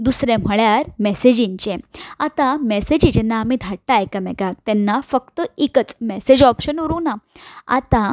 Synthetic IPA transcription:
d̪usɾẽm̤əɭjaɾmɛsed͡ʑĩɲt͡ɕẽat̪ãmɛsed͡ʑid͡ʑɛnːaːmid̪ʱaʈːajkəmɛkak̚t̪ɛnːafəkt̪əikət͡smɛsed͡ʑɔpɕənuɾunaa̰t̪ã

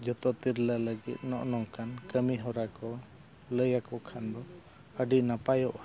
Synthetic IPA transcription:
d͡ʒɔt̪ɔt̪iɾlaləɡḭt̪̚nɔʔnɔŋkankəmiɦɔɾakɔ | ləjakɔkʰand̪ɔ | əɖiʔnapajɔʔa

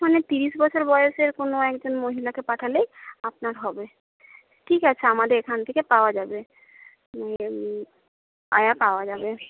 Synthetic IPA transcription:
manet̪iɾiʃbɔt͡ɕʰoɾbɔjoʃeɾkonoɛkd͡ʑonmoɦilakepaʈʰalejapnaɾɦɔbe | ʈʰikat͡ɕʰeamad̪eɾekʰant̪ʰekepaoad͡ʑabe | e | a̰japaoad͡ʑabe

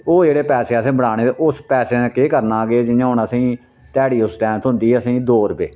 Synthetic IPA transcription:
oːd͡ʒeːɽeːpɛːseːəsĩːbəɽaːɽ̃eːt̪eʔʊspɛːseːnẽːkeːkəɾnaːɡeːd͡ʒɪjãːɦʊnasĩː | t̪ɛːɽiːʊsʈɛ̃ːmt̪ʰʊ̃nd̪iːɦəsĩːd̪oːɾbḛː

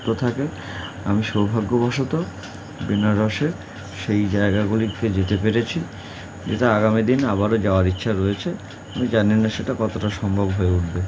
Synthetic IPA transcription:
t̪ot̪ʰake | amiʃowbʱaɡːobɔʃot̪o | binaɾɔʃeɾ | ʃejd͡ʑaeɡaɡuliked͡ʑet̪epeɾet͡ɕʰi | d͡ʑeʈaaɡamid̪inaβaɾod͡ʑaoaɾitːɕʰaɾoet͡ɕʰe | amid͡ʑaninaʃeʈakɔt̪oʈaʃɔmbʱobɦoeuʈbe

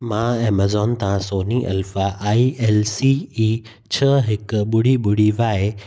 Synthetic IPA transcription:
mãeːmɐzɔːnt̪ɐãsoːniʔɐ̰lfaʔaːiɛːlsiːiː | t͡ɕʰɐɦɪkʊɓʊɽiɓʊɽ̤iʋaːe

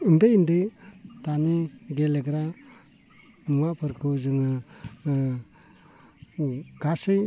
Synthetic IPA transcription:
ɯndejindɯtaniɡeleɡɾa | muapʰɯɾkʰɯzɯŋɯ | ɡ̥asɯj

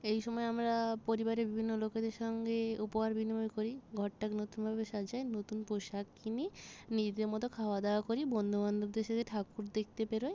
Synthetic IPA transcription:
ejʃɔmɔeamɾapoɾibaɾebibʱinːoloked̪eɾʃɔŋɡeupoɦaɾbinimojkoɾiɡʱɔʈːaknot̪unbʱabeʃad͡ʑaenot̪unpoʃakːʰininid͡ʑid̪eɾmɔt̪okʰaoad̪eakoɾibond̪ʱuband̪ʱuɾd̪eʃet̪ʰeʈʰakuɾd̪ek̚ʰt̪epeɾoj

